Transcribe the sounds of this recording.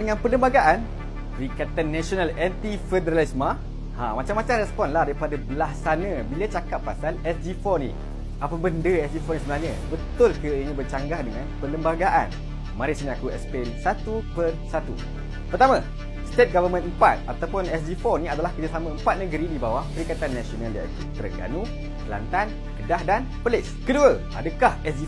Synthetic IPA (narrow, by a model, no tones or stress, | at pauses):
dəŋãnpələmbaɡaʔan | ɾikat̪ənːɛsionalɛnt̪ifədəɾalisma | hãmat͡ʃamːat͡ʃaŋɾɛspɔnlahdaɾipadabəlahsanãbilat͡ʃakat̪̚pːasalɛsd͡ʒifɔnḭ | ʔapəbəndəɛsd͡ʒifɔnisəbənalɲabət̪ʊlkəəɲãbərt͡ʃaŋɡahdəŋãnpələmbaɡaʔan | mãɾisinĩakuɛ̰spensat̪upərsat̪ṵ | pərt̪amã | st̪et̪̚ɡavəmə̃nəmpat̪̚at̪awpʊnɛs̬difɔniadalahkərd͡ʒasamãəmpat̪̚nəɡəɾidibawahpəɾikat̪anːasionalja̰ʔḭt̪ut̪ərɡa̰nũ | la̰nt̪an | kədahdan | pəlɪskəduəʔa̰dəkahɛsdi